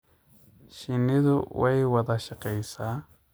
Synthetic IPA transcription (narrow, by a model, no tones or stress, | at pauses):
ʃɪnɪðʊ̰wɛjwɐðaʃɪqɛjsaː